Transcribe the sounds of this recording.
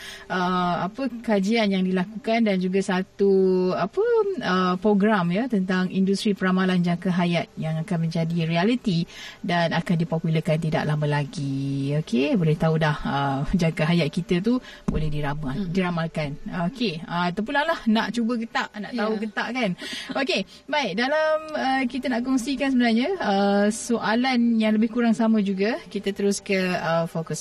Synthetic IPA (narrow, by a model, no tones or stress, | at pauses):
ʔəapəkad͡ʒianjaŋdilakukandand͡ʒuɡasat̪uapəəpɾoɡɾamjət̪ənt̪aŋindust̪ɾipəɾamaland͡ʒakaɦajat̪̚jaŋakanmə̃ɲd͡ʒadiɾialit̪idanakandipopuləkant̪ida̰ʔlambəlaɡiokʰebolɛht̪aulahəmd͡ʒaɡəɦajat̪̚kit̪ət̪u | bolɛhdiɾamaldiɾamalkanokeəat̪ap̬unlahlahnaʔt͡ʃubək̬ət̪aʔnaʔt̪aukət̪aʔkanoke | baiʔ̚dalaməkit̪ənaʔkɔŋsikans̬əbənarɲə̃əsoʔalanjaŋləbɪhkuɾaŋsamə̃d͡ʒuɡakit̪ət̪əɾʊskəəfokus